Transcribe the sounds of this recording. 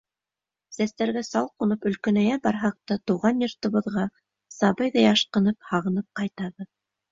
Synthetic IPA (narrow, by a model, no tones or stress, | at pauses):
sæst̪æɾɡæsɑlˠqunɤpɵ̆lkɵ̆næjæbɑɾɦɑq̚t̪ɑt̪uʁɑnjŏɾt̪ɤ̆βɤ̆ðʁɑ | sɑbɤjðɑjɑʃqɤ̆nɤphɑʁɤ̆nɤp̚qɑjt̪ɑβɤð